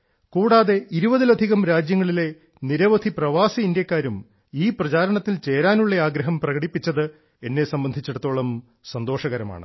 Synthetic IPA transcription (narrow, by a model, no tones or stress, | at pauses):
kuːɽaːðe̞iɾubɐðilɐd̪ʱiɣɐmɾaːd͡ʑjɐŋːɐɭile̞ | niɾɐʋɐd̪ʱiprɐʋaːsiind̪jɐkːaːɾum | iːprɐt͡ɕaːɾɐɳɐt̪ːilt͡ɕe̞ːɾaːnuɭːeaːɡɾɐɦɐmprɐɣɐɽipːit͡ɕːɐðɨ | e̞nːe̞sɐmbɐnd̪ʱit͡ɕːeɽut̪ːoːɭɐm | sɐnd̪o̞ːʂɐɣɐɾɐma̰ːɳɨ̰